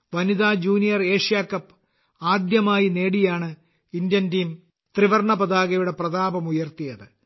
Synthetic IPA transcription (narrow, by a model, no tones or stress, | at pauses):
ʋɐniðaːd͡ʑuːnijɐre̞ːʂijaːkːɐpː | aːd̪jɐmaːjine̞ːɽijaːɳɨ | indjɐntiːm | t̪riʋɐrɳɐbɐðaːɣɐjuɽe̞prɐðaːbɐmujɐrt̪ijɐðɨ